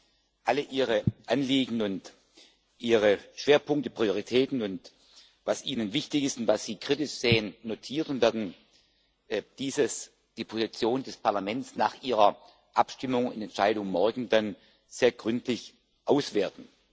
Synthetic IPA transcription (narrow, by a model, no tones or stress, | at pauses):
ʔaləʔiːʁəʔanliːɡŋ̩ʊnt | ʔiːʁəʃv̥eːɐpʰʊŋk̚təpʁ̥ioʁ̞itʰɛːtn̩ʊnt | vasʔiːnənvɪçtɪçɪstʊntv̥asz̥iːkʁ̥ɪtɪʃz̥eːənːotʰiːɐtʊnv̥ɛɐdn̩ | d̥iːzəs | d̥iːpʰozit͡sjoːndɛspʰaɐlamɛnt͡snaːχʔiːʁɐ | ʔapʃtɪmʊŋɪ̰nɛntʃaɪɾʊŋmɔɐɡŋ̩dan | z̥eːɐɡʁʏntlɪç | ʔaʊsv̥eːɐtn̩